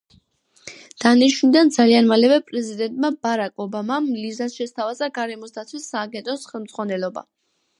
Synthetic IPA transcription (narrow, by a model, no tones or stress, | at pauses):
d̪̥aniʃwunid̪and̪zalianmalɛvɛpʼɾɛzid̪ɛnt̪ʼmabaɾakʼɔbamamlizasʃɛst̪ʰavazaɡaɾɛmɔsd̪at̪sʰwisːaːɡɛnt̪ʼɔsχɛlˠmd̪z̥ʁwanɛlɔba̰